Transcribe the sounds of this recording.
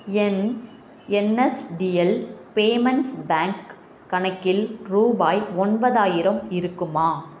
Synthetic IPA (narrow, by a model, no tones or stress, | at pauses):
ɛn | ɛnɛsɖiɛlpeːmɐnsbaːŋkː | ɐɳɐkːɪlɾuːbaːjɔnbɐðaːjɪɾɐmɪɾɯkːɯmaː